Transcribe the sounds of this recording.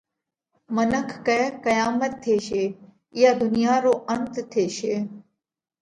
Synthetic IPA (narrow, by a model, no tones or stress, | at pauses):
mənəkʰːɛːkəjaːmət̪ʰːeːʃeː | jaːd̪ʱʊnɪjaːɾoːʔənt̪t̪ʰːeːʃeː